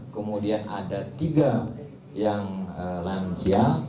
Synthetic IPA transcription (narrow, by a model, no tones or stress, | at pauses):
kəmudiana̰dat̪iɡa | jaŋəland͡ʒia